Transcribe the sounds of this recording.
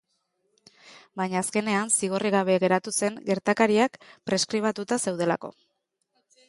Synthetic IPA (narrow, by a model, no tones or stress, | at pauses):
bajɲaːske̞ne̞ansiɣ̞o̞riɣaβ̞e̞ɣe̞ɾat̪use̞ŋɡe̞ɾt̪akaɾiakpɾe̞skɾiβ̞at̪ut̪ase̞wð̞e̞la̰ko̞̰